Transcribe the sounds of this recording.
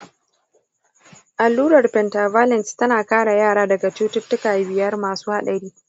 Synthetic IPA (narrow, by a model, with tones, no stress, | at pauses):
ʔa˨lːuː˦ɽɐ˨rɸɛ˨nta˨vaː˦lɛ˨nstɐ˦naː˨kaː˦ɽa˨jaː˦˨ɽaː˦dɐ˨ɡa˨t͡ʃuː˦tʊ˦tːʊ˦kaː˨bɪ˨jɐ˦rmaː˨suː˦ha˦˨ɗɐ˨ɽiː˦